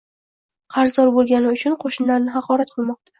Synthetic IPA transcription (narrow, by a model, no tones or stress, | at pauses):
qʰɑɾzɒɾbolˠɡʲanɪʊt͡ʃʰʊnqʰoʃɪnlaɾnɪɦɑqʰɒɾat̪qʰɨlˠmɒq̚t̪ʰḁ